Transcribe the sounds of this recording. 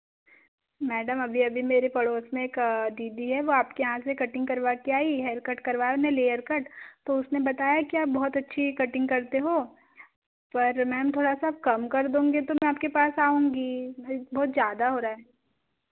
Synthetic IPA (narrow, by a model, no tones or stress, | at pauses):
mɛːɖəmɐbʱiɐbʱimeːɾepɐɽoːsmẽeːkd̪iːd̪iɦɛʋoaːpkejɐɦãsekɐʈɪ̃ŋɡkɐɾʋakiaːiɦɛːɾkɐʈkɐɾʋaːjeʊnẽleːəɾkɐʈt̪oʊsnebɐt̪aːjakiaːp̚bɔɦʊt̪ɐtːʃʰikɐʈɪ̃ŋɡkɐɾt̪eɦoː | pɐɾmɛ̃ɦɐmt̪ʰoːɽasaːp̚kɐmkɐɾd̪ũːŋɡet̪omɛ̃aːp̚kepaːsaːũːŋɡibɔːt̪zjaːd̪aɦoːɾaːɦɛː